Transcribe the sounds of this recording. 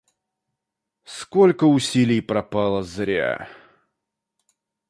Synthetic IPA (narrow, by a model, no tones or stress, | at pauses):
skolʲkəʊsʲilʲɪjpɾɐpalˠəzɾʲa̰